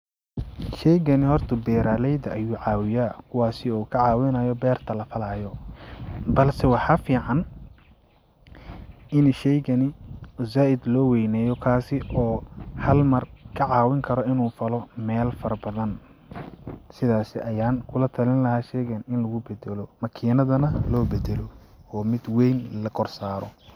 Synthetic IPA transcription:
ʃɛjɣɐnɪhɔrt̪ʰɐbɛːɾaːlɛjd̪ɐʔɐjuːʕɑːwɪjaːkʰʊwaːsɪɔːkʰɐʕaːwɪnɐjɔbɛːrt̪ʰɐlɐfɐlaːjɔ | bɐlsɛwɑħɑːfiːʕɑn | ʔɪnʃɛjɣɐnɪzaːʔɪd̪lɔːwɛjnɛːjɔkʰaːsɪʔɔːhɐlmɐrkʰɐʕɑːwɪŋkʰɐɾɔɪnuːfɐlɔmɛːlfɐɾɐbɐðɐn | sɪðaːsɪ̰ʔɐjaːnkʰʊlɐt̪ʰɐlɪnlɐhaːʃɛjɣɐnɪnlɐɣʊbɛd̪ɛlɔmɐkʰiːnɐðɐnɐlɔːbɛd̪ɛlɔ | ɔːmɪd̪wɛjnlɐɡʰɔrsaːɾɔ

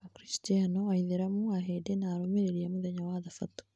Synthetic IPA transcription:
akɾistianɔaiðeɾamuaɦedenaːɾomeɾeɾiamuðɛɲawaðafato̥

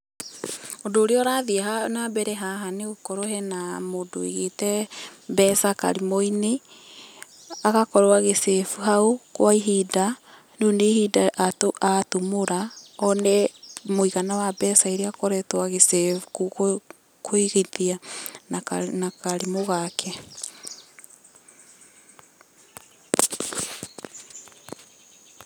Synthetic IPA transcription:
odoːɾeɔɾaðiɛɦanabɛɾɛɦaɦaneokɔɾoɦɛnamodo̰ḛɣetɛbɛsaka̰ɾimoine | aɣakɔɾoaɣesɛfuɦaokwaiɦida | neonehidaʔatoʔatomoɾaɔnɛmoiɣanawabɛsaeɾeakɔɾɛtwaɣesɛfuko | koiɣeðiananakaɾemoɣakʰɛ

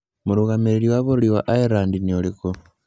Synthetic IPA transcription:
muɾuɣamiɾiliwaβuliwaʔaeɾaːndinioliko

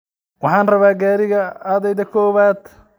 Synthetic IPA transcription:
wɑħɑːnrɐβaːɡaːɾɪɣɐaːðɛjðɐkʰɔːβaːd̪

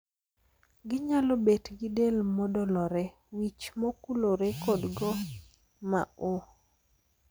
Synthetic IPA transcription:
ɡɪɲalobetɡɪdelmɔdɔlɔɾɛ | wit͡ʃmokuloɾekodɡɔ | ma̰o

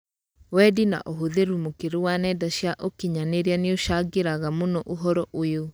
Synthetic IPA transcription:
wɛdina̰ʔoɦoðeɾumokeɾuwanɛdaɕjaʔokiɲaneɾeaneoʃaɡeɾaɣamonɔʔoɦɔɾɔʔojo

